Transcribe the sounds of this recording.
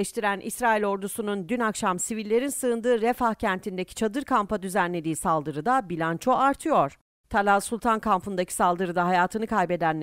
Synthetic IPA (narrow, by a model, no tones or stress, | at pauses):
ɛʃt̪ʰiɾænʔḭsɾaːilʲo̞ɾd̪usunund̪ynakʃamsivilʲːe̞ɾinsɯɯnd̪ɯːɾefahcʰænt̪ʰind̪e̞cʰi̥t͡ʃʰad̪ɯɾkʰampad̪yzænlʲe̞d̪iːsalˠd̪ɯɾɯd̪abilʲant͡ʃʰo̞aɾt̪ʰɯjo̞ɾ̥ | t̪ʰalʲasulʲˠt̪ʰankʰampɯnd̪acʰi̥salˠd̪ɯɾɯd̪aɦajaːt̪ʰɯnɯkʰajbe̞d̪ænlʲ